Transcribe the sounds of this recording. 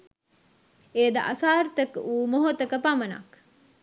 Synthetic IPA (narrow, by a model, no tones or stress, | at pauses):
eːd̪ɐ̰ʔɐsaːɾt̪ɐkuːmoɦot̪ɐkəpamɐna̰k